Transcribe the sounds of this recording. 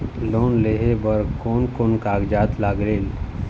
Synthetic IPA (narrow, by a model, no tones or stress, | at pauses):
loːnleːɦebəɾkoːnkoːnkaːɡd͡ʒaːt̪laːɡɾeːl